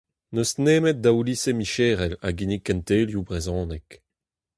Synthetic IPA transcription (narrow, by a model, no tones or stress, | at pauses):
nøsneːmɛt̪̚d̪aulisemiʃeːʁɛla̰ɡinikːɛnt̪eːljubʁezɔ̃ːnɛk